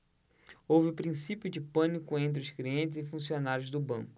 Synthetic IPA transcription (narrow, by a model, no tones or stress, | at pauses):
owvɪʊpɾĩsipjʊd͡ʒɪpɐ̃nikʊẽnt̪̬ɾɪʊskliẽnt͡ʃɪzɪfũsionaɾjʊzd̪ʊbɐ̰̃ŋkʊ